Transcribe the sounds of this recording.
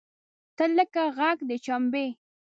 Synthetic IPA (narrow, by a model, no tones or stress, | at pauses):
t̪ələkaɣaɡd̪ət͡ʃambe